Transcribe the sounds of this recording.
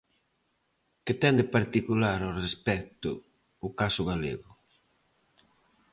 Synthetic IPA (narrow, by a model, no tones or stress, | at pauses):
kɪt̪ɛnd̪epaɾt̪ikulaɾorespɛkt̪ʊ̰ː | kasʊɣalḛɣʊ